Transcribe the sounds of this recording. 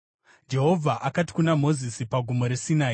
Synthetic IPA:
d͡ʒe̞ɦo̞vʱaʔakati̥kunamo̞zisipaɡʱumo̞ɾe̞sinaːi

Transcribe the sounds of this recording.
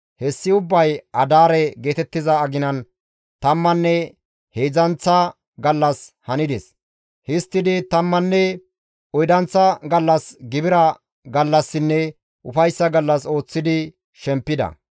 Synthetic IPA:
hɛsːɪʊbːɐjʔɐd̪aːɾɛɡe̞ːt̪ɛt̪ːɪzɐːɡɪnɐn | t̪ɐmːɐnːɛ | heːd͡zɐnt͡sːɐ | ɡɐlːɐshɐnɪd̪ɛs | hɪst̪ːɪd̪ɪt̪ɐmːɐnːɛ | ɔjd̪ɐnt͡sːɐɡɐlːɐsɡɪbɪɾɐ | ɡɐlːɐsːɪnːɛ | ʔʊfɐjsːɐɡɐlːɐso̞ːt͡sːɪd̪ɪ | ʃɛmpːɪd̪ɐ̰

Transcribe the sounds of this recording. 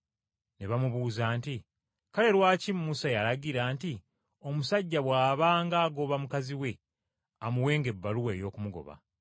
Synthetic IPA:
ne̞βamuβuːzaːnti | kale̞ɾwaːcimːusajaɾaɡiɾaːnti | o̞musaɟːaβwaːβaːŋɡaːɡo̞βamukaziwe̞ | amuwe̞ːŋɡe̞bːaluweːjo̞ːkumuɡo̞̰βa̰

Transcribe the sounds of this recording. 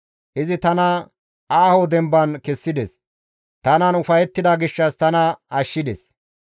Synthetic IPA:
ʔɪzɪt̪ɐnɐ | ʔaːhod̪ɛmbɐnkɛsːɪd̪ɛs | t̪ɐnɐnʊfɐjɛt̪ːɪd̪ɐɡɪʃːɐst̪ɐnɐɐʃːɪd̪ɛ̰s

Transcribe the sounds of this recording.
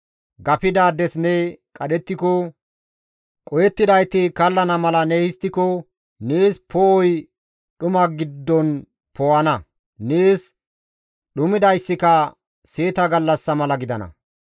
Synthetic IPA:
ɡɐpɪd̪aːd̪ɛsnɛkʼɐɗɛt̪ːɪkɔ | kʼɔjɛt̪ːɪd̪ɐjt̪ɪkɐlːɐnɐmɐlɐnehɪst̪ːɪkɔ | neːspɔɔj | ɗʊmɐɡɪd̪ːɔn | pɔwɐnɐ | neːs | ɗʊmɪd̪ɐjsːɪkɐ | se̞ːt̪ɐɡɐlːɐsːɐmɐlɐɡɪd̪ɐnɐ̰

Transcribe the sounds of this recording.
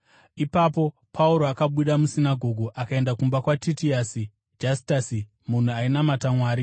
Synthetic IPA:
ipapo̞ | pʰauɾo̞akaɓuɗamusinaɡʱo̞ɡʱuʔakae̞ndakumbakwatitiasi | d͡ʒasi̥tasi | mun̤uainamatamwaːɾi

